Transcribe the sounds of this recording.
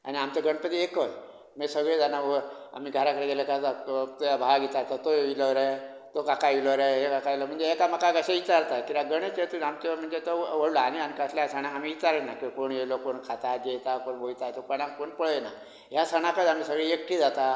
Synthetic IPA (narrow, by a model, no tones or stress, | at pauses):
a̰niamt͡ɕaɡʱəɳpət̪iekəj | mesəɡɭed͡zanaəa̰miːɡʱəɾakəɽeɡeləkaat̪jabʱaɡit͡saɾt̪at̪oʋiləɾə | t̪okakaʋiləɾəɦekakailəm̤əɳd͡zeekamakaɡəɕeit͡ɕaɾt̪akit̪aɡəɳ̃et͡set̪uamt͡ɕəm̤əɳd͡zet̪oʋəɽlɔañiamikəsljasəɳ̃aamiːit͡ɕaɾənakikoɳjelokoɳkʰat̪ad̪et̪akoɳbʱojt̪at̪opəɽ̃akoɳpəɭəjena | ɦjasəɳ̃akət̪amiːsəɡɭeek̚ʈʰiːd͡zat̪a